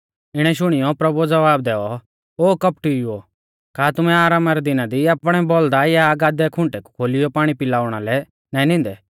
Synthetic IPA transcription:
ɪɽ̃ɛʃʊɽ̃ɪjɔpɾɐbud͡zɐʋaːb̚d̪ɛːɔ | oːkɐp̚ʈio | kaːt̪ʊmɛaːɾaːmaɾɛd̪ɪnad̪iapɽ̃ɛbɔld̪ajaːɡaːd̪ɛkʰʊ̃ɳʈɛku̥kʰoːlɪjɔpaːɽ̃ipɪlaːʊɽ̃alɛ | nãːĩnɪ̃nd̪ɛ

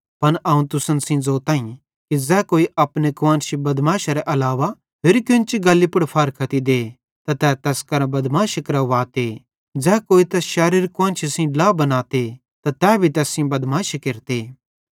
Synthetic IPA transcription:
pɐnʔɐũt̪ʊsənsĩd͡zoːt̪aːĩ | kid͡zɛːkoːiɐpnekʋãːnʃibɐd̪maːʃaɾɛʔɐlaːʋa | pʰɪɾikjʊnt͡ʃiɡɐlːipʊɽpʰɐɾkʰɐt̪id̪eː | t̪at̪ɛːt̪ɛːskɐɾãbɐd̪maːʃɐkɐɾaʋaːt̪e | d͡zɛːkoːit̪ɛːsʃaːɾiːɾkʋãːnt͡ʃʰisĩlaːbɐnaːt̪e | t̪at̪ɛːbʱit̪ɛːsĩbɐd̪maːʃkeɾt̪eː

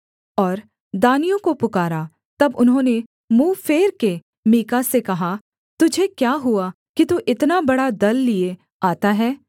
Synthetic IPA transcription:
ɔːɾ | d̪aːnijõkopʊkaːɾa | t̪ɐbʊnɦõːne | muːfeːɾke | miːkasekɐɦa | t̪ʊd͡ʒʱekjaːɦua | kit̪uʔɪt̪nabɐɽad̪ɐlːie | aːt̪aɦɛː

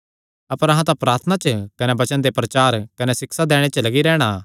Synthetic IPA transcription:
ɐpəɾɐɦãt̪̬apɾaːɾt̪ʰənat͡ʃəkɐnebɐt͡ʃənd̪epɾɐt͡ʃaːɾkɐnesɪksad̪ɛːɽ̃et͡ʃɐlɐɡiɾɛːɽ̃a

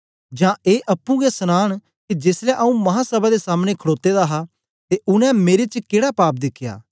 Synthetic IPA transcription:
d͡ʒãːeːʔɐpːũɡesənaːɽ̃ | kid͡ʒɪslɛʔɐũmɐɦãsɐbad̪esaːmnekʰəɽoːt̪ːed̪aɦa | t̪eʔʊnɛ̃meːɾet͡ʃkeːɽapaːp̚d̪ɪkʰːja̰ː

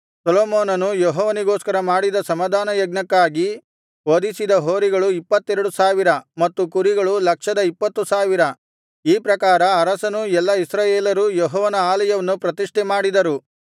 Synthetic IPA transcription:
sɐloːmoːnɐnujoɦɔːʋɐniɡoːskɐɾɐmaːɽid̪ɐsɐmɐd̪aːnɐjɐɡnɐkːaːɡi | ʋod̪isid̪ɐɦoːɾiɡɐɭuipːɐt̪ːɛɾɐɽusaːʋiɾɐmɐt̪ːukuɾiɡɐɭulɐkʂɐd̪ɐipːɐt̪ːusaːʋiɾɐ | iːpɾɐkaːɾɐːɾɐsɐnuɛlːɐisɾaːjeːlɐɾujoɦɔːʋɐnɐaːlɐjɐʋɐnːupɾɐt̪iʂʈɛmaːɽid̪ɐɾu

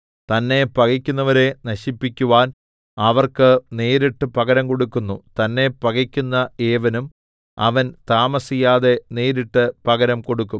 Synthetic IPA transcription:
t̪ɐnːe̞pɐɣikʲːunːɐʋɐɾe̞nɐɕipːikʲːuʋaːn | ɐʋɐrkɨneːɾiʈːɨpɐɣɐɾɐmko̞ɽukːunːut̪ɐnːe̞pɐɣikʲːunːɐe̞ːʋɐnum | ɐ̰ʋɐnt̪aːmɐsijaːðe̞ne̞ːɾiʈːɨpɐɣɐɾɐmko̞ɽukːum

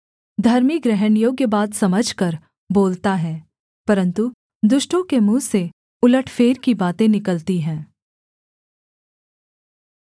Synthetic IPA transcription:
d̪ʱɐɾmiɡɾɛɦənjoːɡjebaːt̪sɐməd͡ʒʱkɐɾ | boːlt̪aɦɛː | pɐɾə̃nt̪u | d̪ʊʃʈõkemũːse | ʊləʈʰfeːɾkibaːt̪ẽnɪkəlt̪iɦɛ̃ː

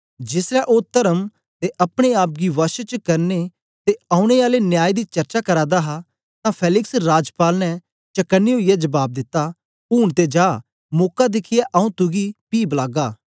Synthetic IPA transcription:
d͡ʒɪsɾaʔoːt̪ɐɾəm | t̪eʔɐpɽ̃eaːp̚ɡiʋɐʃt͡ʃəkɐɾne | t̪eaːũɽ̃eaːlenjaːid̪it͡ʃɐɾt͡ʃakɐɾaːd̪aɦa | t̪ãpʰɛːlɪksɾaːd͡ʒpaːlnɛ | t͡ʃɐkənːeɦʊijɛd͡ʒɐbaːb̚d̪ɪt̪ːa | puːnt̪ed͡ʒaː | moːkad̪ɪkʰɪjaʔɐũt̪ʊɡipiːblaːɡaː

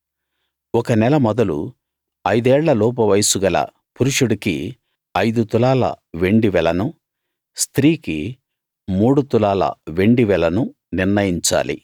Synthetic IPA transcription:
ɔkɐnɛlɐmɔd̪ɐlṵ | ɐjd̪ɛːɭːɐlɔːp̬ɐʋɐjsuɡɐlɐ̰ | puɾuʂuɽiki | ɐjd̪ut̪ulaːlɐ̰ʋe̞ɳɖiʋɛlɐnu | st̪ɾiːki | muːɽut̪ulaːlɐ̰ʋe̞ɳɖiʋɛlɐnu | niɾnɐjiɲt͡ʃa̰ːlḭ

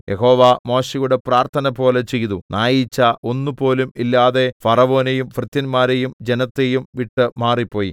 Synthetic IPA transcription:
jʔeɦo̞ːʋamo̞ːɕɐjuɽe̞praːrt̪ʰɐnɐpo̞ːlet͡ɕe̞jt̪unaːjit͡ɕːɐʔo̞nːupo̞ːlumilːaːðe̞fɐrɐʋo̞ːnejumfrɨt̪ːɐnmaːɾejumd͡ʑenɐt̪ːejumʋiʈːɨmaːripːo̞ːji

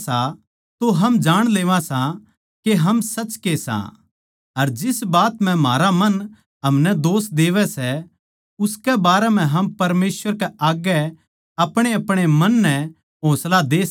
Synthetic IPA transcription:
sa | t̪oɦɐmd͡ʒaːɽ̃leːʋãsã | keɦɐmsɐt͡ʃkesã̰ | ɐɾd͡ʒɪsbaːt̪m̤ɛ̃maːɾamɐn | ɦɐmnɛd̪oːsd̪eːʋɛsɛ | ʊskɛbaːɾɛm̤ɛ̃ɦɐmpɐɾmeːsʋəɾkɛʔaːɡɛ | ɐpɽ̃eɐpɽ̃emɐnːɛ̃ | ɦoːslad̪eː

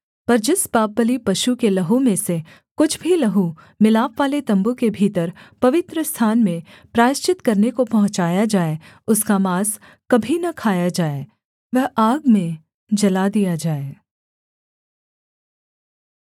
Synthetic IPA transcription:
pɐɾd͡ʒɪsbaːp̚ːəlipɐʃukelɐɦumẽse | kʊt͡ʃʰbʱilɐɦu | mɪlaːpʋaːlet̪ɐ̃mbukebʱiːt̪əɾpɐʋɪt̪ɾəst̪ʰaːnmẽ | pɾaːɪst͡ʃɪt̪kɐɾnekopɐɦʊ̃t͡ʃaːjad͡ʒaːe | ʊskamaːs | kɐbʱinɐkʰaːjad͡ʒaːeː | ʋɛɦaːɡmẽ | d͡ʒɐlad̪ijad͡ʒaːeː

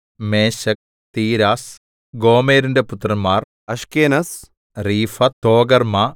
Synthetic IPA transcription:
meːʃɐk̚ | t̪iːɾaːs | ɡoːmeːɾundeput̪ɾɐmaːr | ɐʃkeːnɐs | ɾiːfɐt̪oːɡɐɾma

